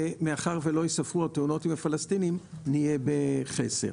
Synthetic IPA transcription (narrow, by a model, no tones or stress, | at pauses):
emeaχaʁvelo̞jisafʁuat̪euno̞timafalast̪inimnijebeχḛse̞̰